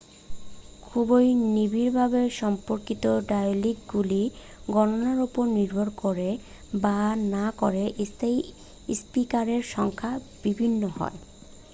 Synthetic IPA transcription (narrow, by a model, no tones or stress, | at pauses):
kʰubojnibiɾbʱabeʃɔmpoɾkit̪oɖajolik̚ɡuli | ɡɔnonaɾupoɾniɾbʱoɾkoɾe | banakoɾeʔest̪ʰej | spikaɾeɾʃɔŋkʰa | b̥ibʱinːohɔ̰e